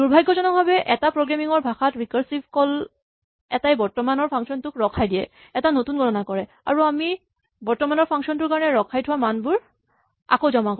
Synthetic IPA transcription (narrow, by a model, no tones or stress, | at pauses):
duɹbʱajɡːɔzɔnɔk̚bʱabɛʔɛtapɹoɡɹamiŋɔɹbʱaxatɹikaɹsipkɔl | ɛtajbɔɹtɔmanɔɹpʰaŋksɔntʊkɹɔkʰajdijɛ | ɛtanotunɡʱɔtɔnakɔɹɛ | a̰ɹuami | bɔɹtɔmanɔɹpʰaŋksɔntʊɹkaɹɔnɛɹɔkʰajtʰʊwamanbʊɹ | a̰kowzɔmak